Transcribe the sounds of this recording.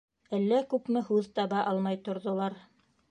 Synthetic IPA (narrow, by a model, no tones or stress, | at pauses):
ælːækʉpmɘhʉðt̪ɑβɑʔɑlˠmɑjt̪ŏɾðŏlˠɑɾ